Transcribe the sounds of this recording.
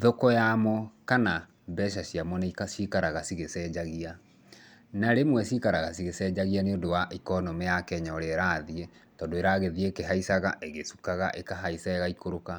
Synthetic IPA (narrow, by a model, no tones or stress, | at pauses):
ðɔkɔjamɔkana | bɛʃ̬aɕiamɔnaikaʃikaɾaɣasiɣesɛd͡ʑaɣia | naɾemwɛʃikaɾaɣasiɣesɛd͡ʑaɣianeodowaʔikɔnɔmɛjakɛɲɔɾɛɾaðiɛ | tɔːndoeɾaɣeðiekeɦaisaɣaʔeɣesukaɣaʔekaɦaisaɛɣaikoɾoka